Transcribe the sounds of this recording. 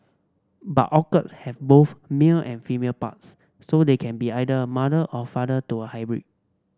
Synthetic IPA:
ba̰tʔɔkətshɛvboθmilʔɛ̰̃nfimelpa̰tsː | odekʰɛ̃nbiajdəəmadəʔɔfadətuəhajbɹḭd̥̚

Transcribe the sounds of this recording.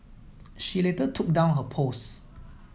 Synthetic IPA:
ʃilɛtətʰʊk̚dãʊ̃nɦəpʰos

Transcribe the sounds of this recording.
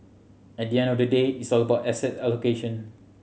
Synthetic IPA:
ɛt̚diɛ̃ndɔfdədetisɔləbaʊtɛsɛtɛlokeʃɔ̃n

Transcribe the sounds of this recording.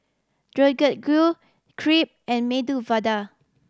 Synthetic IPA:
d̥ɹoɡət̚ɡɹu | kʰɹip̚ɛ̃nmeduvada

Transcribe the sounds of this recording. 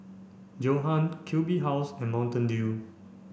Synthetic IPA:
d͡ʒoɦãnkʰjubiɦaʊsɛ̃nmãʊ̃ntə̃ndi

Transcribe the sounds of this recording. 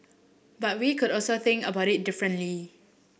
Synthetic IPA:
bat̚wikudɔlsoθɪ̃ŋkəbaʊtɪt̚dɪfɹə̃nli

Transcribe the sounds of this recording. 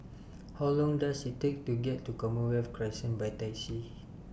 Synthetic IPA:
hawlɔ̃ŋdasitːek̚tuɡɛtːukɔməwɛfkɹasə̃nbajtajsi

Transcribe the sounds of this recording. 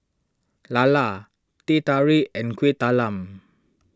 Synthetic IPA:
lala | t̪it̪aɹiɛ̃nkʰwet̪alãm

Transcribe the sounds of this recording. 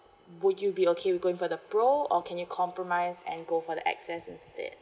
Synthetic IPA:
wʊdjubiokʰewiɡoɪ̃ŋfɔdəpɹoɔkʰɛ̃njukʰɔ̃mpɹɔmaɪzɛ̰̃nɡofɔdə̰ʔɛ̰ksɛsɪ̃nstɛ̰d̚

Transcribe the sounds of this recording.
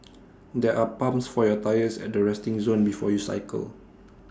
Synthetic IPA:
dɛʔapãmsfɔjɔtajəsɛ̰t̚dəɹɛstĩŋzõnbifɔjusa̰ɪkə̰l

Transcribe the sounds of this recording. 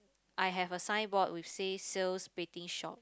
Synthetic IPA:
ʔajɦɛvəsãjnbɔtwifseselsbetĩŋʃɔ̰t̚

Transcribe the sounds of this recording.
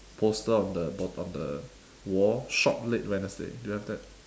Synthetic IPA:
pʰostəɔ̃ndəbɔtɔ̰̃ndə | wɔʃɔ̰p̚let̚wɛ̃nəsdḛdujuhɛvdɛt̚

